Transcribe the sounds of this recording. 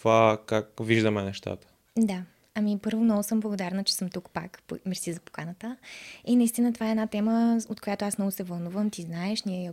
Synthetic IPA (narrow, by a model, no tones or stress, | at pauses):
vakakviʒd̪əmɛnɛʃt̪a̰t̪ə̥ | d̪a | ɐmipɤɾvonɔɡʊsɤmblˠɐɡod̪aɾnət͡ʃɛ̥sɤmt̪ukpa̰kpmɛɾsizɐpo̥kanət̪əinɐist̪inət̪ovaɛːdnat̪ɛməot̪kojat̪oasmnɔɡʊsɛvɐlˠnuvəmt̪iznaɛʃnʲiɛjɛ